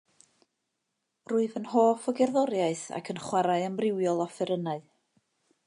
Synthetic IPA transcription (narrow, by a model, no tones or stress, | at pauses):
ruːɨðənhoːfɔɡɛrðɔɾjaɨθa̰kʰənχwaɾaɨənbrɪwjɔlˠɔfɛɾənaɨ